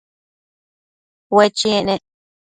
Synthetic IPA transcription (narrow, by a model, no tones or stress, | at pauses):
wet͡ʃiẽnẽʔ